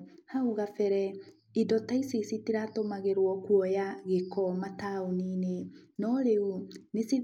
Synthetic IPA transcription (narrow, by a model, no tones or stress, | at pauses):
hauɣafɛɾɛ | idɔtaisisitiɾatomaɣeɾwɔkwɔjaɣekʰɔmataoninenɔɾeunesi